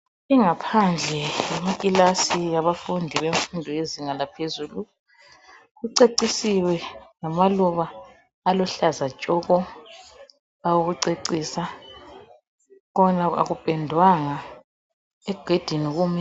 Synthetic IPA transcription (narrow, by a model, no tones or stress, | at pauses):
iŋapʰand͡ɮʱɛjamakʼilasijaβafundʱiβeɱfundʱɔjeziŋalapʰezulu | ɣuǀeǀisiwɛŋamaluβaː | lɔɬazḁt͡ʃʼɔɣɔ | awuɣuǀeǀiːsa | ɣɔnaa̰ɣupʼɛndʱwaŋa | ɛɡ̥ʱed̥ʱiniɣumɛ